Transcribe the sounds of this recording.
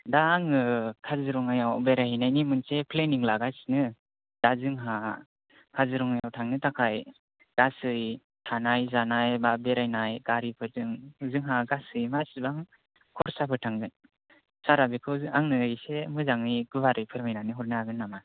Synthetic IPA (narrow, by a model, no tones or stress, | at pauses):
daːŋɯkʰazɯɾɔŋajawbeɾahinajnimɯnsepʰleniŋlaɡajsnɯ | d̥azɯŋɦa | kʰazɯɾɔŋajawtʰaŋnɯtʰakʰaj | ɡ̥asɯj | tʰanajzanajbabeɾajnajɡ̥aɾipʰɯɾzɯŋzɯŋɦaɡasɯjmasibaŋ | kʰɔɾsapʰɯtʰaŋɡɯn | saɾabikʰɯaŋnɯːjsemɯzaŋɯjɡɯbaɾɯjpʰɯɾmajnaniɦɔɾnaɡɯnːama